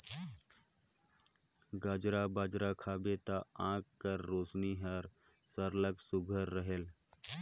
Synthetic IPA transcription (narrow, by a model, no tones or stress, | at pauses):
ɡaːd͡ʒɾabaːd͡ʒɾakʰaːbet̪aãːkːəɾːoːsniɦəɾsəɾləksʊɡʱəɾːəɦel